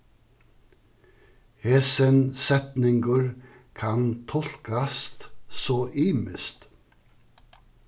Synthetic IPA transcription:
heːsɛnsɛt̪nɪŋɡəɹ | kʰɑnt̪ʰɔl̥kast̪soːʔiːməst̪

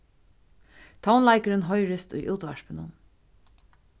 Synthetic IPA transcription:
t̪ʰawnlajkəɾɪnɦɔjɹɪst̪ʊ̰jʔuːt̪ʋaʂpɪnʊn

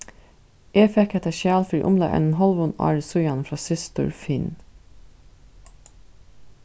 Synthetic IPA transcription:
ʔeːfɛkʰɛt̪əʃjæːlfɾḭːʔʊmlɑ̰ːʔɛ̰nn̩hɑlʋʊnʔɑ̰ːɹəsʉjɑnfɾɑːsɪst̪ʰʊ̰ɹfɪn

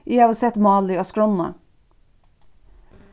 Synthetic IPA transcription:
ʔɪɑːʋəsɛt̪mɑːlɪoːskɹɔnɑ̰

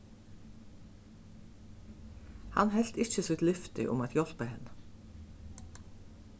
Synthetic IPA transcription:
hɑ̰nhɛlt̪ɪçəsʏt̪lʏft̪ɪ̰ʔʊ̰mɑt̪jɔlpəhɛnə

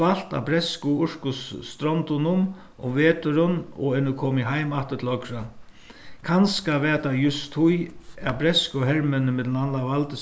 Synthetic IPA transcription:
al̥t̪a̰bɾɛskʊʊɹ̥kʊsːt̪ɾɔnt̪ʊnʊm | ʊ̰mveːt̪ʊɾʊnɔ̰ɛnʊkʰɔːmɪɦajmat̪ɪ̥ɾt̪ʰlɔkɾa | kʰanskaʋɛːt̪ajʊst̪ʰːʊjabɾɛskʊɦɛɹmɪnəmɪt̪lnanlaʋalt̪ə

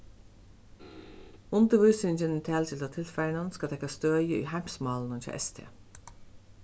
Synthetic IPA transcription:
ʊnd̪əʋʉsʏnd͡ʒənt̪ʰæːlt̪ʰɪlt̪ʰɑːt̪ʰɪlfæɳənskɑt̪ʰɛkɑst̪øːʏjəʔḭːhæmsmɑːln̩ət̪ʰɑ̰ʔɛ̰st̪ʰḛː

